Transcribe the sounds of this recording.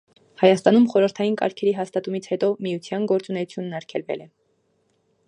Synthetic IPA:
hɑjɑst̪ɑnumχɔɾəɾt̪ʰɑjinkɑ̰ɾkʰɛɾiɦɑst̪ɑt̪umit͡sʰhɛt̪ɔmijut͡sʰjɑnɡɔɾt͡sunɛut͡sʰjunːɑɾkʰɛlvɛ̰lɛ

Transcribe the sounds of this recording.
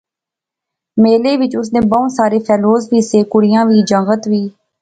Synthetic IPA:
meːleːʋɪt͡ʃʊs̬neːbəũsaːɾeːpʰɛːloːsʋiːseːkʊɽɪjãːʋiːd͡ʒə̃ŋɡət̪ʋiː

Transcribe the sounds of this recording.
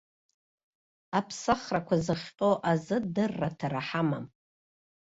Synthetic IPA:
apʰsaχrakʷʰazɨχʲqʲʼoʔazɨdɨrːatʰaraħamam

